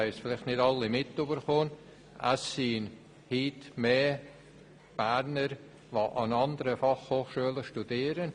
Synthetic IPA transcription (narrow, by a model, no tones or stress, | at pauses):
ɛɪsfɪlɪχtnɪdɑlːimɪtːybəɾχoːn | ʔa̰sin | hiːtmeː | b̥æɾnəɾ | voʔɑnɑnd̪əɾəfɑχhoːχʃyələʃtud̥iːɾən